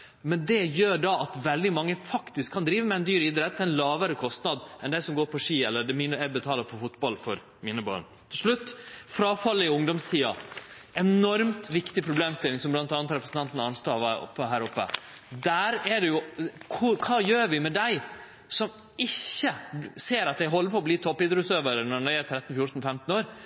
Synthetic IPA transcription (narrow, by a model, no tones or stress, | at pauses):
mɛnd̪ɛjøːɖɑʔɑt̪ʋɛld̪ɪmɑŋːəfɑkt̪ɪskʰːɑnd̪ɾiːʋəmɛɛnd̪yːɾɪd̪ɾɛt̪ʰːɛɪnlɑːʋəɾəkʰɔst̪nɑd̪ɛnd̪æɪsɔmɡoːɾpʰɔʂiːɛlːəɖ̪ɛmiːnəɛbət̪ʰɑːləɾfɔfʊt̪bɑlfɔɾ | miːnəbɑ̰ːɳ | t̪ʰɪlʂɭʉt̪ːfɾɑːfɑlːəɪʊŋd̪ɔmst̪ʰiːɑɛnɔɾmt̪ʋɪkt̪ɪpʰɾʊbleːmst̪ɪlːɪŋsɔmblɑnt̪ɑːnət̪ɾɛpɾəsn̩t̪ɑnt̪ənɑnst̪oːʋɑʊ̰pːəɦæːɾʊpːə̰ | d̪æːɾɛɖɛjʊkʰʊkʰɑːjøːɾʋɪmɛd̪æɪ | sɔm | ɪçːəseːɾɑt̪̚d̪æɪɦɔlːəɾpɔːbliːt̪ʰɔpːɪd̪ɾʉsøːʋəɾənɔɳæɪæt̪ʰɾɛt̪ːn̩fjʊɾt̪n̩fɛmt̪n̩oːɾ